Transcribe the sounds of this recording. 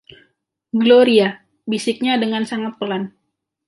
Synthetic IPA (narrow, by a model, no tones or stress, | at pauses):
ɡloɾia | bisɪk̚ɲadəŋansaŋat̪̚pəlan